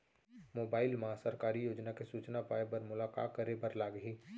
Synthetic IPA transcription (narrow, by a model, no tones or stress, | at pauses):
moːbaːɪlmɐɦãsəɾkaːɾijoːd͡ʒnakesuːt͡ʃnapaːebɐɾmʊlaːka̰ːkəɾebəɾlaːɡɦi